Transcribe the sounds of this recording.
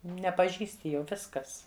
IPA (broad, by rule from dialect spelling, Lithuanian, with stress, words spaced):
nʲɛpɐˈʒʲiːsʲtʲɪ ˈjɛʊ ˈʋʲɪskɐs